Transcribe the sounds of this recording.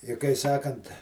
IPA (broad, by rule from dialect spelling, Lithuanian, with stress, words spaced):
ɪ kɐɪ ˈsɑːkɐnt